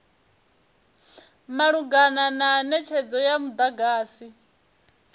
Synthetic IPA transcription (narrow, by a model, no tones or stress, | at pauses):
maɺuɡanananɛt͡ʃʰɛd͡zɔjamud̪aɡaːsi